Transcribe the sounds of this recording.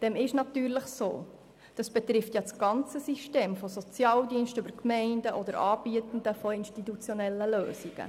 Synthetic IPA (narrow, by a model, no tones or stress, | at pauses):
d̥ɛmɪʃnɑt̪yːɾləχso̰ː | d̥ɑsb̥ɛt̪ɾɪftjɑt͡sɡ̥ɑnt͡səsiʃteːmfɔsɔt͡sjɑːldiənʃtʏbəɾkmɛɪndəʔɔd̪əɾɑːb̥iət̪ən̩d̪əfɔinʃtit̪ut͡sjɔnɛlːəløːsiɡ̥ə̰